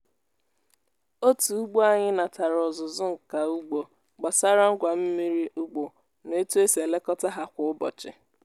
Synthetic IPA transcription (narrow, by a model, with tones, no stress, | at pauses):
o˦tu˨u˦ɡ͡bo˦a˦ɲɪ˦na˨ta˨ɾɔ˨zʊ˨zʊ˦ŋ̩˨ka˨u˦ɡ͡bo˨ | ɡ͡ba˨sa˦ɾa˦ŋ̩˦ɡʷa˨m̩˦mi˦ɾi˦ʔʊ˦ɡ͡bo˨ | ne˦tu˦e˦se˨le˦kɔ˦ta˦ɦa˦kʷʊ˨ʊ˦bɔ̰˨t͡ʃɪ̰˨